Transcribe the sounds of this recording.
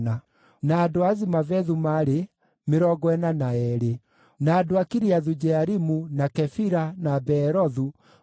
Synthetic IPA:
na | naːdoazimavɛðumaɾe | meɾɔɡɔɛnanaɛɾe | naːdoakiɾiaðud͡ʒɛaɾimunakɛfiɾanabɛɾɔðu

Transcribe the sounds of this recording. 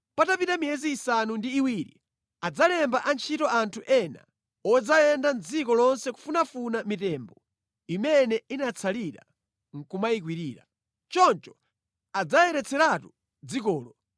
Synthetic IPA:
patapitamijɛziːsanundiːwiɾḭ | ad͡zalɛmbaʔant͡ʃʰitɔantʰuʔɛna̰ | ɔd͡zajɛndand͡zikɔlɔnsɛku̥funafunamitɛːmbɔ | imɛnɛinat͡sʰaliɾa̰ | ŋ̩kumaik̬wiɾiːɾa̰ | t͡ʃɔnt͡ʃɔ̥ | ad͡zajɛɾɛt͡sʰɛɾatu | d͡zik̬ɔːlɔ

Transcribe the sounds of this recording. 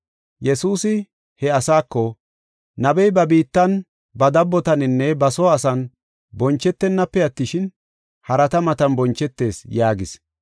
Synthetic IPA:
jɛsuːsɪ | hɛɐsaːkːɔ | nɐbɛjbɐbiːt̪ːɐn | bɐd̪ɐbːɔt̪ɐnɪnːɛbɐsɔɐsɐn | bɔnt͡ʃːɛt̪ːɛnːɐpːɛɐt̪ːɪʃɪn | hɐɾɐt̪ɐmɐt̪ɐnbɔnt͡ʃːɛt̪ːe̞ːsjaːɡɪs

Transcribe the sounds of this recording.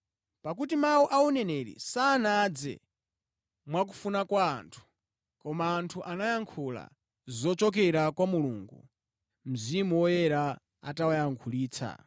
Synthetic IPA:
pak̬utimawuʔaunɛnɛɾḭsaːnad͡zɛ̰ | mwak̬u̥funakwaːntʰu̥ | kɔmaːntʰuʔanajaŋkʰula̰ | zɔt͡ʃɔk̬ɛɾakwamuluːŋɡṵ | m̩zimuwɔjɛɾa | a̰tawajaŋkʰuliːt͡sʰa̰

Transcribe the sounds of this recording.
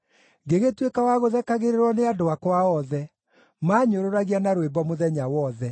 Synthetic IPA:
ɡeɣetwekawaɣoðɛkaɣeɾeɾwɔneadoakwaɔðɛ | maːɲoɾoɾaɣianaɾwembɔmoðɛɲawɔðɛ

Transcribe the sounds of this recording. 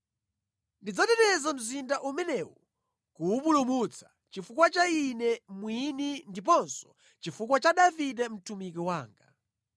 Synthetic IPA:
ndid͡zatɛtɛzam̩zindaʔumɛnɛwɔ | kuːpulumut͡sʰḁ | t͡ʃifukwat͡ʃainɛmwinindip̬ɔnsɔ̥ | t͡ʃifukwat͡ʃaɗavitɛm̩tʰumik̬iwaːŋɡa

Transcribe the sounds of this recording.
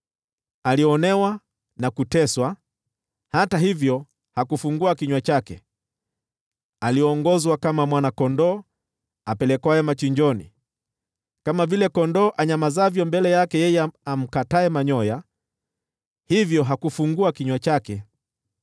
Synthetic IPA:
aliɔnɛwa | nakutɛswa | hataɦivjɔ | hakufuŋɡuakiɲwat͡ʃakɛ̰ | aliɔːŋɡɔzwakamamwanakɔndɔː | apɛlɛkwajɛmat͡ʃiɲd͡ʒɔnḭ | kamavilɛkɔndɔːʔaɲamazavjɔmbɛlɛjakɛjɛjɛam̩kataɛmaɲɔja | hivjɔɦakufuŋɡuakiɲwat͡ʃakɛ

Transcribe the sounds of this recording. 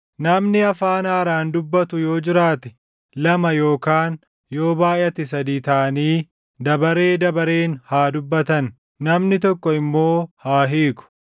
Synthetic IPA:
nɐmnɪɐfaːnaːɾaːnd̪ʊbːɐt̪ʊjo̞ːd͡ʒɪɾaːt̪ɛ̥ | lɐmɐjo̞ːkaːn | jo̞ːbaːjʔɐt̪ɪs̬ɐd̪iːt̪ɐʔɐniː | d̪ɐbɐɾe̞ːd̪ɐbɐɾeːnhaːd̪ʊbːɐt̪ɐnː | ɐmnɪt̪̬ɔkːɔɪmːo̞ːhaːɦiːkʊ̥

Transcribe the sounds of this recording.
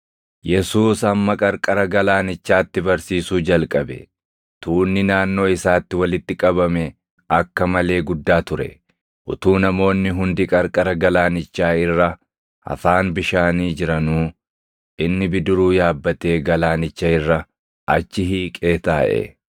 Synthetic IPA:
jɛsuːsɐmːɐkʼɐɾkʼɐɾɐɡɐlaːnɪt͡ʃːaːt̪ːɪbɐɾsiːsuːd͡ʒɐlkʼɐbɛ̰ | t̪uːnːɪnaːnːo̞ːɪsaːt̪ːɪwɐlɪt̪ːɪkʼɐbɐmɛ | ɐkːɐmɐle̞ːɡʊd̪ːaːt̪ʊɾɛ̰ | ʔʊt̪uːnɐmo̞ːnːɪɦʊnd̪ɪkʼɐɾkʼɐɾɐɡɐlaːnɪt͡ʃːaːɪrːɐ | ɐ̰faːnbɪʃaːniːd͡ʒɪɾɐnuː | ʔɪnːɪbɪd̪ʊɾuːjaːbːɐt̪e̞ːɡɐlaːnɪt͡ʃːɐɪrːɐ | ʔɐ̰t͡ʃːɪɦiːkʼe̞ːt̪aːʔɛ̰

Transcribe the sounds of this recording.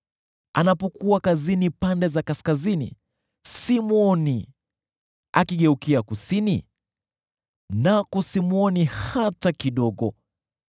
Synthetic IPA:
anapɔkuakazinipandɛzakaskazinḭ | simuɔni | a̰kiɠɛukiakusinḭ | nakɔsimuɔnihatakiɗɔɠɔ

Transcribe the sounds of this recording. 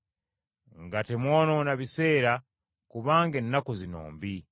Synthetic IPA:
ŋɡatemwoːnonaβise̞ːɾa | kuβaːŋɡenːakozino̰ːmbi

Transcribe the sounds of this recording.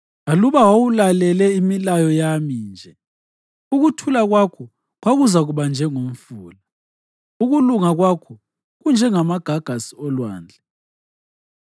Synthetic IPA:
aluβawawulalɛlɛimilajɔjamind͡ʒʱɛ | uɣutʰulaɣwakʰɔ | ɣwaɣuzaɣuβand͡ʒʱɛŋom̩fuːla | uɣuluŋaɣwakʰɔ | ɣund͡ʒʱɛŋamaɡ̥ʱaɡ̥ʱasi̥ɔlwaːnd͡ɮʱɛ

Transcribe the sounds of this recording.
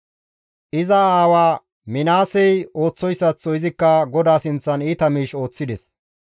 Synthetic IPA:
ʔɪzɐaːwaː | mɪnaːsɛjo̞ːt͡sːɔjsːɐt͡sːɔɪzɪkːɐɡɔd̪aːsɪnt͡sːɐniːt̪ɐmiːʃo̞ːt͡sːɪd̪ɛs

